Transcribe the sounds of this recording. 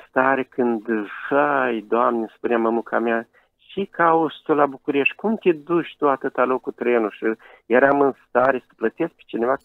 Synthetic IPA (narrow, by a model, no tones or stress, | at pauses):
st̪aɾekʰɨnd̪ʂajd̪oamnʲespunʲaməmukʰamja | ʃikʰaost̪ulabukuɾeʃt̪ʲkumt̪ʲed̪uʃʲt̪uat̪ɨt̪alokut̪ɾenuʃɨ | jeɾamɨnst̪aɾesə̥plət̪esk̚pe̥t͡ʃineva